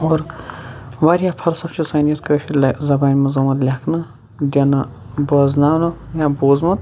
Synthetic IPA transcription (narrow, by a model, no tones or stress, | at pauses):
oːɾ | ʋaɾʲjaːpʰɐlsɐbt͡ʃʰisɐnijɐt̪kəːʃʰilzɐbaːnʲmɐzɐmɐt̪lʲɐkʰnɐ | d̪ʲɐnɐ | bɐːznaːwnɐjaːboːzmɐt̪